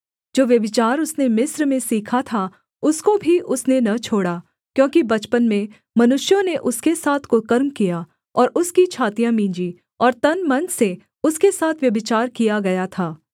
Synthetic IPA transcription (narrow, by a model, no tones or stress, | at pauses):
d͡ʒoːʋjɐbɪt͡ʃaːɾʊsnemɪsɾmẽsiːkʰat̪ʰa | ʊskobʱiʔʊsnenɐt͡ʃʰoːɽaː | kjõːkibɐt͡ʃpənmẽ | mɐnʊʃjõneʔʊskesaːt̪ʰkokɐɾmkija | ɔːɾʊskit͡ʃʰaːt̪ijãmĩːɲd͡ʒi | ɔːɾt̪ɐnmɐnse | ʊskesaːt̪ʰʋjɐbɪt͡ʃaːɾkijaɡɐjat̪ʰaː